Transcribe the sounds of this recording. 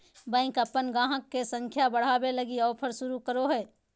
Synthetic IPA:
bɛ̃ːkəpːənɡãːɦəkːesə̃ŋkʰjabəɽ̤aːbeləɡiɔːpʰəɾʃʊɾukəɾoɦɛː

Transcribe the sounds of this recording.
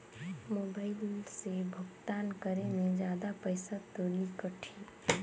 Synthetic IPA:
mobaɪlsebʱəɡt̪ankəɾemed͡ʒjad̪apəɪsat̪olikəʈʰi

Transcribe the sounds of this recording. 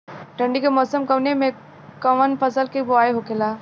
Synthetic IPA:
ʈə̃ɳɖikemɔːsəmkɐʋnemẽ | kɐʋənpɐsəlkebʊaːeɦokelaː

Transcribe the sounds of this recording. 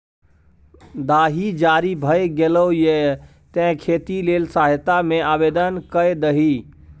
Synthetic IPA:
d̪aːɦid͡ʒaːɾibʱəeɡeloje | t̪ẽɦkʰeːt̪ileːlsaːɦt̪amẽaːʋeːd̪ənkəed̪əɦi

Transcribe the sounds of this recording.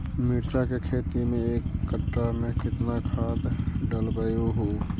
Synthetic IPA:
mɪɾt͡ʃakekʰeːt̪imẽeːkːəʈɾamẽkɪt̪nakʰaːd̪ɖəlbəjoɦo

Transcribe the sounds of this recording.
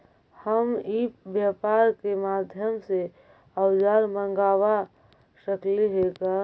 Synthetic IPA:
həmiːpbjaːpaːɾkemaːd̪ʱjəmse | əʊd͡ʒaːɾmə̃ŋɡaːwa | ʃəkliɦeːka

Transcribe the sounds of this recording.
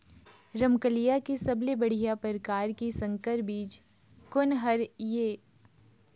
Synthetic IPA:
ɾəmkəlijakisɐblebɐɽ̤ijapəɾkaːɾkisə̃ŋkəɾbiːt͡ʃ | kʊnɦəɾjeː

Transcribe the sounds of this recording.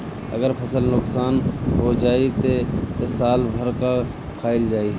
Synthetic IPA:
ɐ̰ɡəɾpʰɐsəlnʊksaːnɦod͡ʒaːit̪et̪esaːlbʱəɾka | kʰaːɪld͡ʒaːi

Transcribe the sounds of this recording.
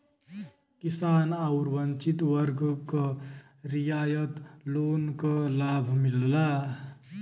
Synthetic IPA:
kisanauɾbənt͡ʃit̪wʌɾɡkʌ | ɾijajət̪lonkʌlabʱmilːa

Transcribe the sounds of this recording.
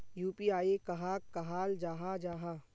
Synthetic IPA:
juːpiːaːekɐɦaːkːɐɦaːld͡ʒaːɦad͡ʒaːɦaː

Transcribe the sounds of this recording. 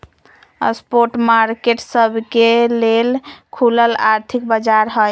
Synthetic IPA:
ə̰spoɾʈmaɾkeʈsəbʱkelelkʰuləlaɾt̪ʰik̚bəd͡ʒaɾɦəj

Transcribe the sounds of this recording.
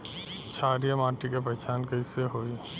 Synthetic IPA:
t͡ʃʰaːɾijəmaːʈikep̬əɦɪt͡ʃaːnkəiseɦoːi

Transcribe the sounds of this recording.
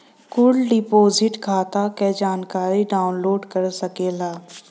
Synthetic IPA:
kʊlɖɪpoːzɪʈkʰaːt̪aked͡ʒaːnkaːɾiɖaːʊnloːɖkɐɾsɐkeːlaː

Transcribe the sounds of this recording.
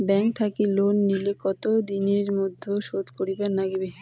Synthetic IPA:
bɛŋk̚t̪ʰakilonːilekɔt̪od̪ineɾmod̪ʱːoʃod̪koɾibaɾnaɡibe

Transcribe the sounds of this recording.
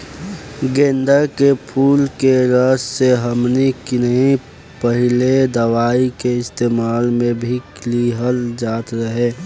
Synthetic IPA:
ɡẽːnd̪əɾkepʰuːlkeɾəsseɦəmnikɪnəɦĩ | pəɦɪled̪əʋaːikeɪst̪eːmaːlmẽbʱikliɦəld͡ʒaːt̪ɾəɦeː

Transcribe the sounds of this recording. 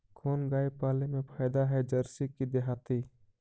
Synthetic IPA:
kʰoːnɡaːipaːlemẽpʰaːd̪aɦɛd͡ʒɐɾsikid̪eɦaːt̪i

